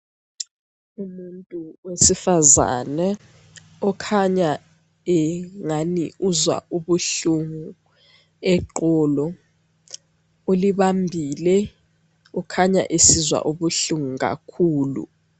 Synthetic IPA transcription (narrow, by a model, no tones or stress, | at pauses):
umuntʼuwesifaza̰nɛ | ɔkʰaɲa | ɛŋanḭuzwa̰ʔuɓuɬuŋu | ɛǃɔːlɔ | oliɓambʱilɛ | ɔkʰaɲa̰ʔesizwa̰ʔuɓuɬuŋuk̬a̰kʰuːlṵ